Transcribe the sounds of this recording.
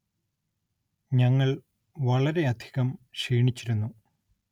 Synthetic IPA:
ɲɐŋːɐɭ | ʋɐɭɐɾe̞ɐd̪ʱi̥ɣɐmʂiːɳit͡ɕːiɾunːu

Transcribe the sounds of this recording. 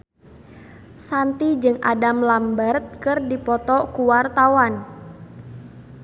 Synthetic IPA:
sant̪id͡ʒɨŋʔa̰damlambərt̪̚kɨrdipɔt̪ɔkuwart̪awan

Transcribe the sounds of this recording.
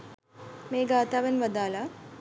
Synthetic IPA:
meːɡaːt̪aːʋɐnʋɐd̪aːla

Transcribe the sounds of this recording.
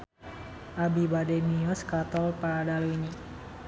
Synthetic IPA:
ʔabibadɛniɔskat̪ɔlpadalini

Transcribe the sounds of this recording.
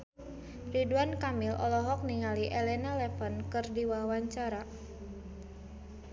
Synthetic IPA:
riduankamilʔɔ̰lɔɦɔk̚niŋaliʔɛlɛnalɛpənkɨrdiwawaɲt͡ʃaɾa

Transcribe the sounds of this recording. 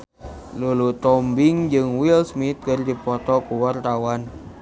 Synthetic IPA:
lulut̪ɔmbɪŋd͡ʒɨŋwilsmit̪̚kərdipɔt̪ɔkuwart̪awan

